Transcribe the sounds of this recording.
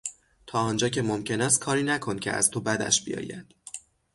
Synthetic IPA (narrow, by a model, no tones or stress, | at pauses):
t̪ʰɒːɒːnd͡ʒɒːcʰe̞momcʰe̞næst̪̚kʰɒːɾiːnækʰo̞ncʲʰeæ̰z̥t̪ʰobæd̪æ̰ʃbḭjɒ̰ːjæ̰d̪̥